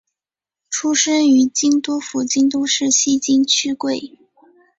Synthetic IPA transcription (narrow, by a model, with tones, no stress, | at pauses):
ʈ͡ʂʰu˥ʂə˥ny˧˥t͡ɕi˥nt̪wɔ˥fu˧˥t͡ɕi˥nt̪ɔ˥ʂɻ̩˥˩ɕi˥t͡ɕi˥nt͡ɕʰy˥kwe˥˩ɪ